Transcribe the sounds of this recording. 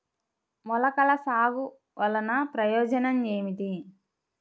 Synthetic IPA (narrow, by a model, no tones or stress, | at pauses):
mɔlɐkɐlɐsaːɡu | ʋɐlɐnɐpɾɐjɔːd͡ʒɐnɐmeːmit̪i